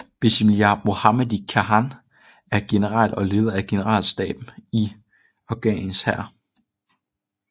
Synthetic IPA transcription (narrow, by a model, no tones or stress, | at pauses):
b̥esimljɑmo̝hɑmedˠikʰæɦɑn | æɐɡ̥e̝nəʁɑ̰l̰ɒ̽le̝ːð̞ˠɐæɡ̥e̝nəʁɑ̰̈ːlsd̥ɛ̰ːb̥m̩i | ɒʊɡ̥ɛ̰ninshæɐ̰